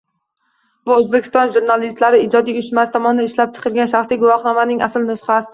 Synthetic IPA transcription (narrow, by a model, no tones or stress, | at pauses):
bʊɵzbekʲʰɪ̥st̪ɒnʒuɾnalist̪laɾɪɪd͡ʒɒd̪ijʊʃmast̪ʰɒmɒnɪd̪aɪʃlap̚t͡ʃʰɨ̥qʰɨlˠɡʲanʃaχsijɡʊwɒχnɒmanɪŋʔasɪlnʊsχas